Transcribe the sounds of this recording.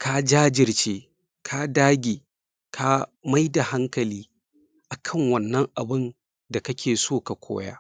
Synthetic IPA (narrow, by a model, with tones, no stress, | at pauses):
ka˦d͡ʒaː˦d͡ʒɪ˨rt͡ʃeː˦ | kʰa˦daː˦ɡʲeː˨ | kʰa˦ma˦jda˨ha˦ŋkɐ˨liː˦ | ʔa˨kʰɐ˦˨ŋwɐ˨nːɐ˦ŋʔa˨bɪ˦n | da˨kɐ˦kʲʰeː˨soː˦˨ka˨kʷo̰ː˦ja̰ː˦